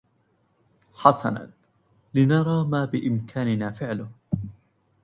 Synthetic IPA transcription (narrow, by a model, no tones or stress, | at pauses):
ħasɑ̰na̰ | lɪnɑɾˤɑːmaːbɪʔɪmkʰaːnɪnaːfɪʕlʊh